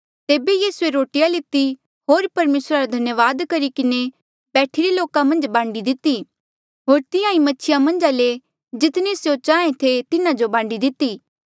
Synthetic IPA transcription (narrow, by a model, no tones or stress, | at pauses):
t̪eːbejiːsueɾoːʈɪjalɪt̪ːi | ɦoːɾpɐɾmeːsɾaɾad̪ʱɐnjəʋaːd̪kɐɾikɪne | bɛːʈʰiɾeloːkamɐ̃nd͡ʒbãːɳɖid̪ɪt̪ːi | ɦoːɾt̪ɪjãĩmɐtːt͡ʃʰɪjamɐ̃nd͡ʒale | d͡ʒɪt̪nisjot͡ʃaːẽt̪ʰet̪ɪnãd͡ʒobãːɳɖid̪ɪt̪ːiː